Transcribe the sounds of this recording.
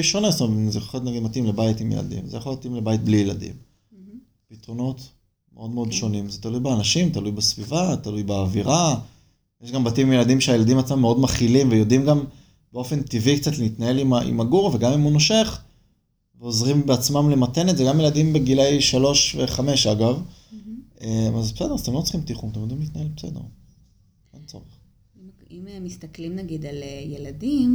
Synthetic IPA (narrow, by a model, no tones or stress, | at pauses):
ʃonest̪omzeχo̥χet̪naɡid̪matimlebajitimjḛla̰dḭmzejaχojot̪imlebajit̚blijeladḭm | pit̪ʁo̞no̞t | meo̞d̪meo̞dʃo̞nimzet̪alujbeanaʃimt̪alujbesvivat̪alujbeaviʁa | jeʃɡambatimimjelad̪imʃeajelad̪imat͡smamːeo̞dmaχilimvejo̞dimɡam | b̥eo̞fe̞nt̪ivikt͡satleit̪naje̞limaʔḭmaɡuʁveɡamimunoʃe̞χ | veo̞zʁimbeat͡smamlemat̪e̞netzeɡamjeladimbe̞ɡilejʃalo̞ʃveχame̞ʃaɡav | emazbesedezatemlot͡si̥χimtiχumat̪emjo̞d̪imliːt̪najelbesedeʁ | ent͡so̰ʁeχ | immist̪ɐklimnaɡid̪aljeladim